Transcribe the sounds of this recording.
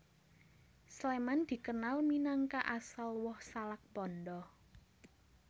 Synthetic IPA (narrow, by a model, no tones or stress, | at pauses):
slemand̪̥i̤kənalminaŋkaʔasalwɔhsalak̚pɔndɔh